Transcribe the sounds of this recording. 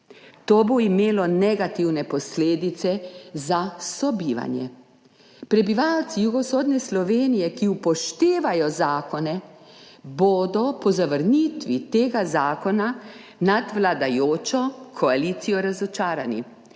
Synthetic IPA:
t̪oːboimeːlɔnɛɡat̪iwnɛpɔsleːd̪it̪sɛzasɔbiːʋa̰njɛ̰ | pɾɛbiʋawt̪sijuɡɔsoːd̪nɛslɔʋeːnijɛkiupɔʃt̪eːʋajɔzaːkɔnɛ | boːd̪ɔpɔzaʋəɾnit̪ʋit̪eːɡazaːkɔna | nad̪ʋlad̪ajoːt͡ʃɔkʰɔaliːt̪sijɔɾazɔt͡ʃaːɾanḭ

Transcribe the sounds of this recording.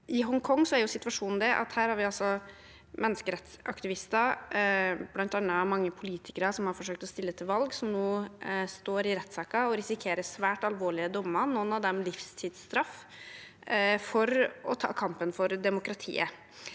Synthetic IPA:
ʔɪɦɔŋkʰɔŋːsɔæɾjʊsɪt̪ʋɑʂuːnn̩d̪ɛʔɑ̰t̪hæːɾhæɾʋɪɑlsɔ | mɛnːəskəɾɛt̪sɑ̰kt̪ɪʋɪst̪ə | b̥lɑnt̪ɑnːəmɑŋːəpʰʊliːt̪ʰɪkəɾəsɔmhɑɾfɔʂøːk̚t̪ɔst̪ɪlːət̪ʰɪlʋɑlɡsɔmnoːst̪oːɾɪɾɛt̪ːsɑːkɑɔɾɪsɪkʰeːɾəsʋæːʈɑlʋoːɭɪəd̪ʊmːɑnɔnːɑʋd̪ɛmlɪfst̪ʰiːd̪st̪ɾɑf | fɔɾɔt̪ʰɑ̰ːkʰɑmpənfɔɾd̪ɛmʊkɾɑt̪ʰḭːə̰

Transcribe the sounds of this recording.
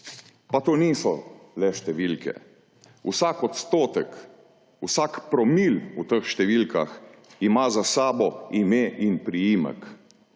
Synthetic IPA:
pat̪oːniːsɔlɛʃt̪ɛʋilkʰɛ̰ | usakɔt̪st̪oːt̪ɛk | usakpɾɔmilut̪əxʃt̪ɛʋilkaximazasaːbɔimeʔinpɾijiːmə̰k

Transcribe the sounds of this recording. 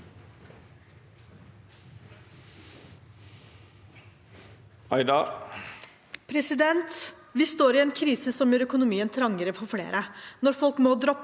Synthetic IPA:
ɑɪd̪ɑ | pʰɾɛsɪd̪ɛnt̪ʋiːst̪oːɾɪːeːnkʰɾiːsəsɔmjuːɾœkʊnʊmiːənt̪ʰɾɑŋəɾəfɔɾfɽḛːɾənɔɾfɔlkmoːd̪ɾɔpː

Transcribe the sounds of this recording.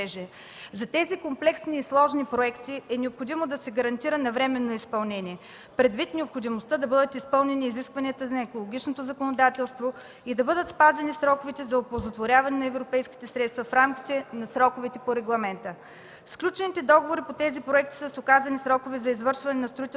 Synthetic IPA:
ɛʒɛ | zɐt̪ɛzikomplɛksniːslˠɔʒnipɾoɛkt̪iɛnɛopxod̪imod̪ɐsɛɡɐɾɐnt̪iɾənɐvɾɛmɛnːoispɐlˠnɛnʲiɛ | pɾɛd̪vit̪nɛopxod̪imost̪əd̪ɐbɤd̪ət̪ispɤlˠnɛniːziskvɐniət̪əzɐɛkolˠoɡʲit͡ʃnot̪ozɐkonod̪at̪ɛlˠst̪vo | id̪ɐbɤd̪ət̪spazɛnisɾɔkovit̪ɛzɐopolˠzot̪voɾʲjavɐnɛnɐɛvɾopɛjskʲi̥t̪ɛsɾɛt̪st̪vɐfɾamkʲi̥t̪ɛnɐsɾɔkʊvit̪ɛpoɾɛɡlˠɐmɛnt̪ə | sklʲut͡ʃɛnit̪ɛd̪ɔɡovoɾipot̪ɛzipɾoɛk̚t̪i̥səsʊkazɐnisɾɔkovɛzɐizvɤɾʃvɐnɛnɐst̪ɾoit̪

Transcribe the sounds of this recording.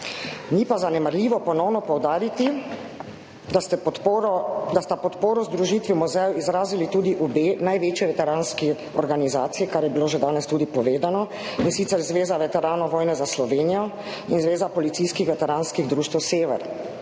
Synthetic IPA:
nipazanɛmaɾlʲiːʋɔpɔnɔwnɔpɔwd̪aːɾit̪i | t̪ɛ | d̪ast̪apɔt̪poːɾɔzd̪ɾuʒit̪ʋimuzɛjizɾaːzilit̪ud̪iʔubeːnajʋeːt͡ʃjɛʋɛt̪ɛɾaːnski | ɔɾɡanizaːt̪sijɛkaɾjɛbiloːʒɛd̪aːnɛst̪uːd̪ipɔʋeːd̪anɔ | insit̪sɛɾzʋeːzaʋɛt̪ɛɾaːnɔʋɔːjnɛzaslɔʋeːnijɔ | inzʋeːzapɔlit̪siːskixʋɛt̪ɛɾaːnskiɣd̪ɾuːʃt̪wseːʋɛ̰ɾ

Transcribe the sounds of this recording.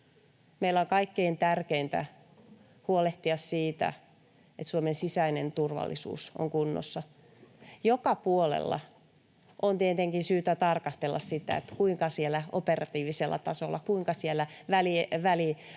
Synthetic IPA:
meilːæoŋkɑikːeint̪ærkeint̪æ̰ | huoleht̪iɑssiːt̪æ̰ | et̪suomensisæinent̪urʋɑ̰lːisṵːso̰ŋkunːo̰sːɑ | jokɑpuolḛlːɑ̰ | ʔont̪iet̪eŋkinsyːt̪æt̪ɑrkɑst̪elːɑssit̪æ̰ḛt̪kuiŋkɑsielæoperɑt̪iːʋiselːʔɑ̰t̪ɑsolːɑkuiŋkɑsielːæʋæliʋæli

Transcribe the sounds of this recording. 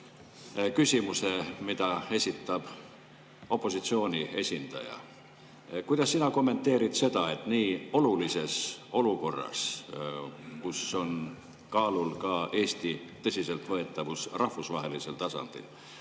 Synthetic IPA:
kysʲimuse̞mid̪̥ɑe̞sʲit̪ːˑɑb̥ | o̞pːˑo̞sit̪sio̞ːnʲie̞sʲind̪̥ɑ̰jɑ̰ | kujd̪̥ɑsːinɑko̞mːe̞nt̪ːˑe̞ːɾit̪se̞d̪̥ɑe̞t̪ˑniːo̞lulise̞so̞luko̞rːɑ̰s | kuso̞n | kɑːlulkɑʔe̞ːst̪it̪ːɤ̞sʲise̞lt̪ˑvɤe̞t̪ˑːɑvusrɑhfusvɑɦe̞lise̞lt̪ɑsɑ̰nd̪̥ḭl

